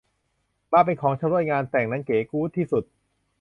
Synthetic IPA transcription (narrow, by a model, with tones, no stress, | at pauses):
maː˧˩p̬e˧nkʰɔː˩˦ŋt͡ɕʰa˧mɾu˧˥˩jŋaː˧nt̪ɛː˨˩ŋna˦˥nkeː˩˦kuː˦˥t̪ʰiː˥˩su˨˩t̪̚